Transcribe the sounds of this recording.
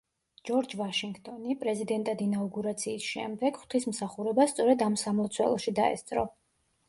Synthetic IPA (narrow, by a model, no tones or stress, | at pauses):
d͡ʒɔɾd͡ʒvaʃiŋɡt̪ʼɔnipʼɾɛzid̪ɛnt̪ʼad̪inauɡuɾat̪sʰiːsʃɛ̰md̪ɛɡ̥χwt̪ʰismsaχuɾɛbast̪sʼɔɾɛd̪amsamɔt̪sʰwɛ̰lˠɔʃid̪aɛ̰st̪sʼɾɔ